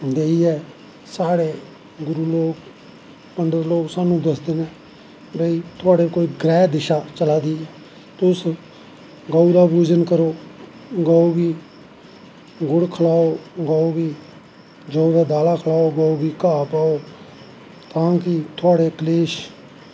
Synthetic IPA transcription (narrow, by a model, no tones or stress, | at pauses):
d̪eːiːɛː | saːɽeː | ɡʊɾuːloːɡ | pəɳɖəɾloːɡsaːnũːd̪əsd̪eːneː | bəiːt̪ʰʊaːɽeːkoːiːɡɾɛːd̪ɪʃaːt͡ʃəlaːd̪iːɛː | t̪ʊs | ɡəuɾaːbuːd͡ʒənkəɾoː | ɡaoːbiː | ɡʊɽkʰəlaːoːɡaoːbiː | d͡ʒəːd̪aːd̪aːlaːkʰəlaːoːɡaːoːbiːkaːpaːoː | t̪ãːkɪt̪ʰʊaːɽeːkəleːʃ